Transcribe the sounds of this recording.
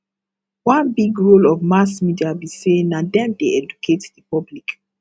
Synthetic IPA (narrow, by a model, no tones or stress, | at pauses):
wãnbiɡɹolɔvmas̬midiabisenadɛ̃mdeɛd͡ʒukʰetdipɔblik